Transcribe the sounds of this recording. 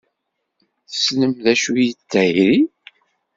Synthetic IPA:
θə̥sləmðæʃujitːæɾi

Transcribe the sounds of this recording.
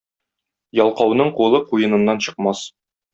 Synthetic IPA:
jɒlˠqɑwnɤɴqulˠɤqujɤ̆nɤ̆nːɑnɕɤ̆qmɑs

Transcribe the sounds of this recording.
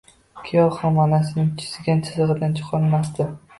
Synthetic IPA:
kʲʰijɒhɒmɒnasɪnɪŋt͡ʃʰɪ̥sɪɡʲant͡ʃʰɪzɨʁɨd̪ant͡ʃʰɨ̥qʰɒnmast̪ɪ

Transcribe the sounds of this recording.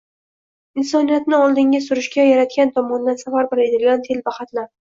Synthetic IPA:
ɪnsɒnijat̪nɪɒlˠd̪ɪŋɡʲasʊɾɪʃkʲajaɾat̪̚kʲant̪ʰɒmɒnd̪ansavaɾboɾed̪ɪlɡʲant̪ʰelbaχat̪laɾ

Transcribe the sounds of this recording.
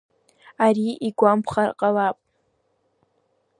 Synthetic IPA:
aɾiʔiɡʷampʰχarqʼalapʼ

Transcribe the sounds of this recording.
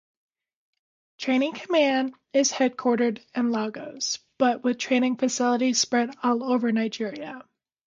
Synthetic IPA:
tʰɹ̥ẽɪ̃ñɪ̃ŋkʰəmæ̃nd | ɪz̥hɛd̚kʰw̥ɔɹɾə˞ɾɨ̃nlɑɡoʊz̥b̥ʌʔ̚wɨð̥tʰɹ̥ẽɪ̃ñɪ̃ŋfɨsɪlˠəɾi̥spɹɛɾɔlˠoʊvə˞naɪd͡ʒɪɹiɨ

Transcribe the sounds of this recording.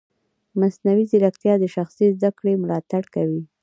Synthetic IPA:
masnawizɪɾakt̪jɑd̪əʃaxsizd̪akɽemlɑt̪aɽkawi

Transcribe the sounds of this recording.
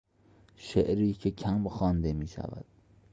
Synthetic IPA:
ʃeʔɾiːcʰecʰæmxɒːnd̪e̞miːʃæ̰væ̰d̪̥

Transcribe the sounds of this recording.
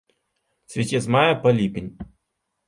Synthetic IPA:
sʲʋʲitʲizmajɐpɐlʲipʲinʲ

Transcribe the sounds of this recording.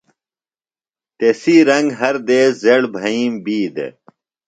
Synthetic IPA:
t̪esiːɾɐŋɡɦɐɾd̪eːzeɽbʱɐĩːmbiːd̪ḛ

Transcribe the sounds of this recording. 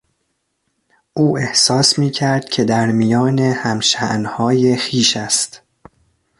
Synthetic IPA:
ʔuːe̞hsɒːsmiːcʰæɾd̪̥̚cʲʰe̞d̪æɾmijɒːne̞hæmʃæʔnhɒːje̞xiːʃæst̪

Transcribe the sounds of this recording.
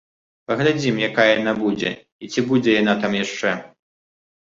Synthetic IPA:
pɐɣlʲad͡zʲimjakajɐjanabud͡zʲɛ̰ | it͡sʲibud͡zʲɛjanat̪amjaʂt͡ʂɛ

